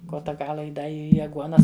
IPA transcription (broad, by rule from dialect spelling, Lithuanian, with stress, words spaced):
ˈkoːtɐ ˈɡɑːlˠɐ ɪ ˈdɐ ˈiː ɐˈɡuɔnɐs